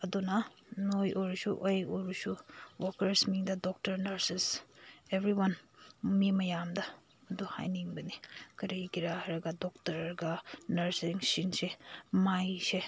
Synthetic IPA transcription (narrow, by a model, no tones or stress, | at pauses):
ɐdunɐ | nojʔojɾusuʔojojɾusuwɔɾkɐɾsmiŋdɐdɔk̚tɐɾnɐɾsisebɾiwɐnmimɐjamdɐː | duha̰jniŋbɐnikɐɾiɡiɾahɐɾɐɡɐdɔk̚tɐɾɐɾɐɡɐnɐɾsiŋsinsemajse